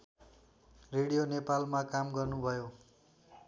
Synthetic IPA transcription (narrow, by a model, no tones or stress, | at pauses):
reɽijonepalmakamɡʌrnubʱʌjo